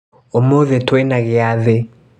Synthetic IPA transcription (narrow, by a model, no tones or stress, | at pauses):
omoðɛtʰwɛnaɣɪaðe